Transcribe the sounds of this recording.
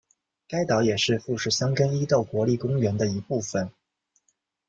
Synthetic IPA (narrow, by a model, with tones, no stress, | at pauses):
ka˥ɪt̪ɑ˧˥ʊjɛ˨˩ʂɻ̩˥˧fu˥˧ʂɻ̩˥˩ɕjɑ˥ŋkə˥ni˥t̪o˥˩ʊkwɔ˧˥li˥˩kʊ˥ŋɥɛ˧˥nd̪ə˧i˧˥pu˥˩fə˨˩n